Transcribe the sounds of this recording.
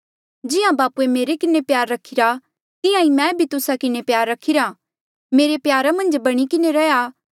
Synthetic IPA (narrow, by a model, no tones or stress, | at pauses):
d͡ʒɪãbaːpuemeːɾekɪnepjaːɾːɐkʰːiɾa | t̪ɪjãimɛ̃ːbʱit̪ʊsakɪnepjaːɾːɐkʰːiɾa | meːɾepjaːɾamɐ̃nd͡ʒbɐɽ̃ikɪneɾɛjaː